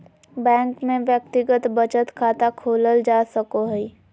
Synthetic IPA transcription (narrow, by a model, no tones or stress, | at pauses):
bɛ̃ːŋkmẽʋjək̚t̪ɪɡət̪bət͡ʃət̪kʰaːt̪akʰoːləld͡ʒaːsəkoɦɛi